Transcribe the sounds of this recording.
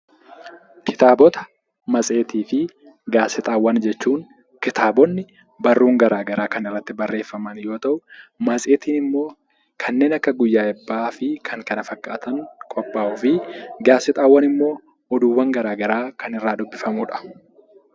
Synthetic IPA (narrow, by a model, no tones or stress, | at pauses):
kʰɪ̥t̪aːbɔt̪ɐ̥ | mɐt͡sʼe̞ːt̪iːfɪ | ɡaːsɪt̪ʼaːwːɐnd͡ʒɛt͡ʃːuːŋ | kɪt̪aːbɔnːɪ | bɐrːuːŋɡɐɾaːɡɐɾaːkɐnɪrːɐt̪ːɪbɐrːe̞ːfːɐmɐnjo̞ːt̪ɐʔʊmɐsʼeːt̪iːnɪmːo̞ː | kʰɐnːe̞ːnɐkːɐɡʊjːaːɛbːaːfɪkʰɐŋkɐnɐfɐkʼːaːt̪ɐŋkʼɔpʼːaːʔʊfɪɡaːsɪt̪ʼaːwːɐnɪmːo̞ː | ɔd̪uːwːɐŋɡɐɾaːɡɐɾaːkɐnɪrːaːd̪ʊbːɪfɐmuːᶑɐ̥